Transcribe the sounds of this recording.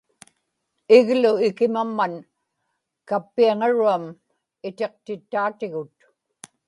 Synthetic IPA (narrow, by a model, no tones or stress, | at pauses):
ɪɣlʊɪkɪmamːan | kapːiaŋaɻuam | ɪt̪eq̚t̪ɪt̪ːaːt̪ɪɣʊt̪